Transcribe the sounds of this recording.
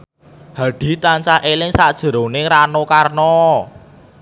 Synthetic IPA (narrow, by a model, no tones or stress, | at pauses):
haɖ̥i̤t̪aɲt͡ʃaʔelɪŋsad̥ʒ̥ə̤ɾoneɾanokarnɔ